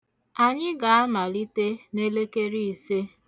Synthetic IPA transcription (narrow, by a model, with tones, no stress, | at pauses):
a˨ɲɪ˦ɡa˨a˦ma˨li˦te˦ne˦le˦ke˦ɾi˦i˨se˦